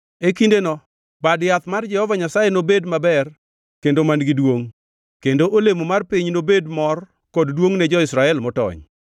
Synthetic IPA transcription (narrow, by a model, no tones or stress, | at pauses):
ekindenɔ | badjat̪mard͡ʒɛhɔvaɲasajenobedmabɛr | kendomanɡidwoŋ | kendoʔolemomarpiɲnobedmɔr | kɔddwoŋnɛd͡ʒɔɪsɾaɛlmɔtɔ̰ɲ